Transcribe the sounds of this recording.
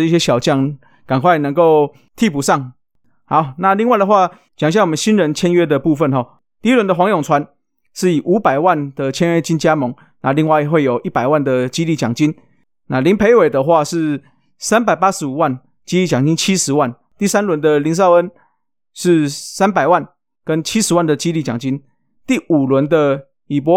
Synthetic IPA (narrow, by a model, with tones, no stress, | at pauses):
i˥˩ɕjɛ˦˥ɕjɑ˨˩ʊt͡ɕjɑ˥˩ŋ | ka˨˩nkʰwa˥˩ɪnə˧˦ŋko˥˧ʊ | t̪ʰi˥˧˩pu˨˩ʂɑ˥˨˩ŋ | ha˧˦ʊna˥˧li˥˧ŋwa˥˩ɪd̪ə˩˧xwa˥˧˩ | t͡ɕja˨˩ŋɕja˥˩ŋwɔ˨˩mə˦nɕi˦nɻə˧˦nt͡ɕʰjɛ˥nɥɛ˥d̪ə˨pu˥˧fə˥˨nxɔ˨˩ | t̪i˥˧˥lwə˧˦nd̪ə˧xwɑ˧˦˥ŋjʊ˨˩ŋt͡sʰwa˧˦n | ʂɻ̩˥˩i˨˩ʔu˧˥pa˨˩ɪwa˥˨nd̪̥ə˨˩t͡ɕʰjɛ˥nɥɛ˥˩t͡ɕi˥nt͡ɕja˦˥mo˧˦ŋ | na˥˧li˥˧ŋwa˥˩ɪxwe˥˩ɪjo˨˩ʊʔi˥˩pa˨˩ɪwa˥˩nd̪ə˩t͡ɕi˦li˥˩t͡ɕjɑ̰˨˩ŋt͡ɕi˦˥n | na˥˨li˧˥npʰe˧˥ɪwe˨˩ɪd̪ə˦xwa˥˧ʂɻ̩˥˩ | sa˥˦npa˨˩ɪpa˦˥ʂɻ̩˧˦u˨˩wa˥˧n | t͡ɕi˥li˥˨˩t͡ɕjɑ˨˩ŋt͡ɕi˦nt͡ɕʰi˦ʂɻ̩˧˦wa˥˨n | t̪i˥˩sa˦nlwə˧˦nd̪ə˨li˧˦˥ns̬ɑ˥˧ʊə˦˥n | ʂɻ̩˥˩sa˥˦npa˨˩ɪwa˥˩n | kə˦nt͡ɕʰi˦˥ʂ̩˨˧˦wa˥˩nd̪ə˩t͡ɕi˦li˥˩t͡ɕjɑ˨˩ŋt͡ɕi˦n | t̪i˥˩u˨˩lwə˧˦nd̪ə˧ | i˨˩p̬wɔ˧˦